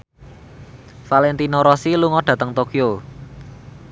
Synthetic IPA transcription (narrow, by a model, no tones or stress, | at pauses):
falɛnt̪inoɾɔsiluŋɔɖ̥ä̤t̪əŋt̪okio